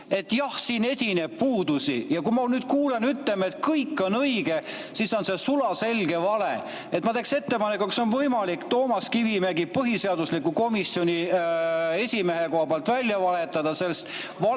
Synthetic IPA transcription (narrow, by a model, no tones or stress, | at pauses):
e̞t̪ːˑjɑhsiːnesʲineb̥̚puːd̪̥usḭjɑkumɑnyːd̪̥̚kuːlenyt̪leme̞t̪kɤjkːˑo̞nɤjɡ̥e̞ | siso̞nse̞sulɑse̞lɡ̥e̞vɑlḛ | et̪mɑt̪e̞kse̞t̪ːe̞pɑne̞kːukso̞nvɤjmɑlikt̪o̞ːmɑskivimeɡipɤɦise̞ɑd̪uslikːuko̞misjo̞nʲi | e̞sʲime̞ɦekoɑbɑlt̪ˑvælʲjɑvɑle̞t̪ːˑɑd̪̥ɑse̞lːst̪vɑ